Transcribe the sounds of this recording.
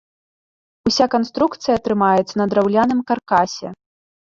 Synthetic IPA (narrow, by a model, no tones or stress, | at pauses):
usʲakanst̪ɾukt̪sɨjɐt̪ɾɨmajɛt̪sɐnɐd̪ɾawlʲanɨmkarkasʲɛ̰